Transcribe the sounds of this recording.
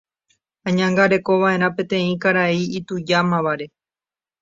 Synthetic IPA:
ãɲãŋɡaɾe̞ko̞ʋaʔe̞ɾ̃ãpẽ̞t̪ẽ̞ĩkaɾaiit̪ud͡ʒamãʋaɾe̞

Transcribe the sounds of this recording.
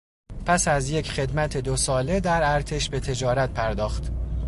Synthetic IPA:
pʰæsæzje̞cʰχe̞d̪mæt̪ʰe̞d̪osɒːle̞d̪æɾæɾt̪ʰe̞ʃbe̞t̪ʰe̞d͡ʒɒːɾæt̪̚pʰæɾd̪ɒːxt̪

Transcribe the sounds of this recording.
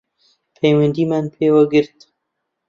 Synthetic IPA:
pʰejwɐnd̪iːmaːnpʰeːwaɡɨɾt̪

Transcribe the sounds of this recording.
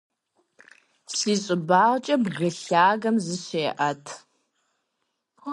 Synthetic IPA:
siːɕʼɪbaːʁt͡ʃʼɐbɣɨɬaːɣɐmzɨɕeːʔɐtʰ

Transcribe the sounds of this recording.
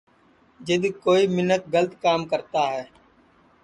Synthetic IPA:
d͡ʒɪd̪koːiːmɪnːət̪̚ɡələt̪kaːmkəɾt̪aːɦɛː

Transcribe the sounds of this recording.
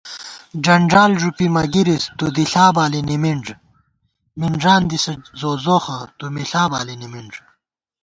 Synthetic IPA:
d͡ʑɐɳɖaːlʐupimɐɡiɾist̪ud̪iɬaːbaːlinimiɳʐ | miɳd͡ʑaːnd̪isɐzoːzoːxɐt̪umiɬaːba̰ːlinimiɳʐ

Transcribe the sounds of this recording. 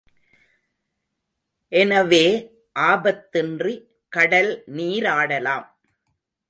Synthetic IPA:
ʔɛnɐʋeː | ʔaːbɐt̪ːɪndri | kɐɽɐlniːɾaːɽɐlaːm

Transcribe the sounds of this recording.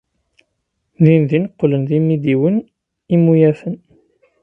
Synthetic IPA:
ðinðinəqːlənðimid̪iwən | imujæfən

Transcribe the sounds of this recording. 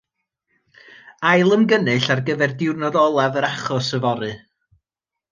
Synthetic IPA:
ajlˠəmɡənɨɬarɡəvɛrdɪwrnɔðɔlˠavəɾaχɔsəvɔɾɨ

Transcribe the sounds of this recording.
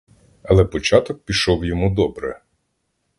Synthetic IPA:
ɐlˠɛpɔt͡ʃɑt̪ɔk̚pʲiʃɔwjɔmud̪ɔbɾɛ̰

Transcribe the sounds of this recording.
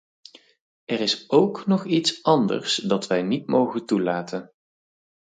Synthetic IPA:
ɛrɪsowknɔχitsɑndə̰ɹsdɑtʋɛjnitmowχəntulaːtən

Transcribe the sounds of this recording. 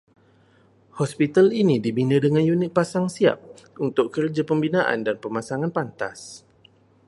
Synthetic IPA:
hɔspit̪alinidibinədəŋanjunɪt̪̚pasaŋsia̰p̚ | unt̪ʊkkərd͡ʒapəmbinaʔa̰ndanpəmasaŋanpant̪as

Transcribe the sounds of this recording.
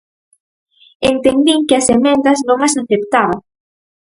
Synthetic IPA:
ent̪end̪iŋkɪɐsemẽnd̪ɐznõŋasaθept̪aβɐ

